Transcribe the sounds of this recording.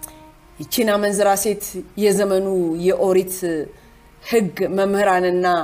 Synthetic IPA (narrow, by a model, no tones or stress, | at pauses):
jɛt͡ʃinamənzɨɾase̞t̪jɛzəmənujɛʔoɾit̪ | hɨɡməmhɨɾanɨnːa